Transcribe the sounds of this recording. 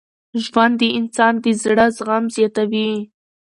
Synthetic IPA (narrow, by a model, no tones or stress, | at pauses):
ʒwand̪əʔɪnsɑnd̪əzɽazɣamzjɑt̪awi